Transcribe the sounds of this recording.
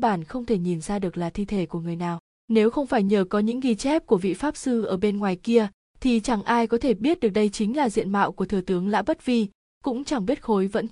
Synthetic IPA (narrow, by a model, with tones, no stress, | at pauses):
ɓaː˧˩nxə˧wŋ͡mt̪ʰe˧˩ɲi˨˩nzaː˧ɗɨ˨˩ək̚laː˨˩t̪ʰi˧t̪ʰe˧˩ku˧˩əŋɨ˨˩əjnaː˨˩w | ne˨˦wxə˧wŋ͡mfaː˧˩jɲəː˧˩kɔ˨˦ɲɨ̰˧˥ŋɣi˧t͡ɕɛ˦˥p̚ku˧˩əvḭ˧˨faː˦˥p̚sɨ˧ʔəː˧˩ɓe˧nŋwaː˨˩jki˧ə | t̪ʰi˨˩t͡ɕa˧˩ŋʔaː˧jkɔ˨˦t̪ʰe˧˩ɓi˦˥ət̚ɗɨ˨˩ək̚ɗə˧jt͡ɕï˨˦ŋ̟laː˨˩zḭ˧˨ənma̰ː˧˨wku˧˩ət̪ʰɨ˨˧˩t̪ɨ˨˦əŋla̰ː˧˥ɓə˦˥t̚vi˧ | kʊ̰˧˥ŋ͡mt͡ɕa˧˩ŋɓi˦˥ət̚xo˨˦jvə̰˧˥n